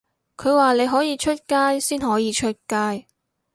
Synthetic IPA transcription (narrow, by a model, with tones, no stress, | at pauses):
kʰɵ˨˧ɥwaː˨˩le˨˧jɦɔː˨˥jiː˨˧t͡ʃʰɵ˥t̚kaː˥jsiː˥nɦɔː˨˥jiː˨˧t͡ʃʰɵ˥t̚kaː˥j